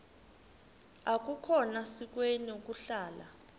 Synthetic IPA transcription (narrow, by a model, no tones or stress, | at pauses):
ak̬ukʰɔnasik̬weniuk̬uɬaːla̰